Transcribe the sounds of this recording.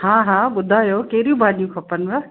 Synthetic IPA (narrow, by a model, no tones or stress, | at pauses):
hãːɦãːɓʊd̪ʱaːjoːkɐɦɪɾijũbʱaːɗijũkʰɐpən̆ʋa